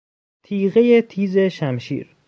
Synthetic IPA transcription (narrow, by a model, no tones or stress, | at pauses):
t̪ʰiːɣejet̪ʰiːze̞ʃæmʃḭːɾ